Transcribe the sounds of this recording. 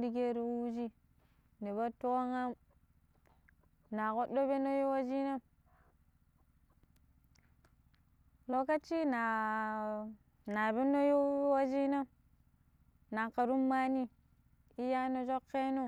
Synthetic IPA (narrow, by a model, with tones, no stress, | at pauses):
di˦ɡe˦ɾi˦wu˦d͡ʒi˦ | ni˨βa˦to˦o˦ŋa˦m | na˨ko˦ɗo˦be˦no˦jo˦wa˦d͡ʒi˦na˦ | lo˨ka˦t͡ʃi˦na˨ | na˨be˦no˦jo˦wa˦d͡ʒi˦na˦ | na˨ŋka˨ɾu˦mːa˦ni˦ | i˦ja˦no˨d͡ʒo˦kːe˦no˦